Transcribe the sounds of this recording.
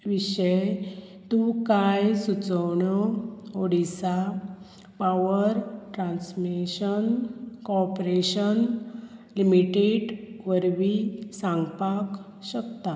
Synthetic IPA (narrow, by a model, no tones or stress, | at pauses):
ʋiɕəj | t̪ũkajsut͡səwɳɔoɽisa | paʋəɾʈɾansmiɕənkɔpɾeɕən | limiʈeɖʋəɾʋisãŋɡpak | ɕəkt̪a